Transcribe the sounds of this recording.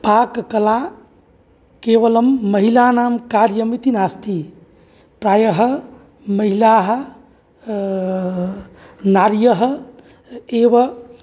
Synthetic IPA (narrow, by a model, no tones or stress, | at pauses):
paːkkəla | keʋələmːəɦilanaːmkaɾjəmit̪inast̪i | pɾaːjəɦ | məɦilaɦ | naːɾjəɦ | eʋə